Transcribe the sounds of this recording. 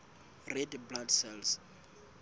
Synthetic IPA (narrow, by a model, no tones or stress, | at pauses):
rɛdbladsɛls